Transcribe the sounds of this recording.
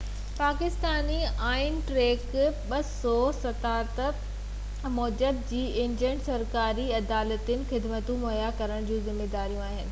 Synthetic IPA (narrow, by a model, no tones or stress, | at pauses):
paːkɪst̪aːniaːɪnʈɾeːkɓɐsɔsɐt̪aːɾt̪ə | mɔːd͡ʑəd̪̚d͡ʑiːɪ̃ɲd͡ʑəɳɖsɐɾkaːɾiɐd̪aːlət̪ɪnɪ̆xɪd̪mət̪ũmoːjakɐɾəɽ̃d͡ʑũːzɪmːeːd̪aːɾijũaːɦɪnɪ̆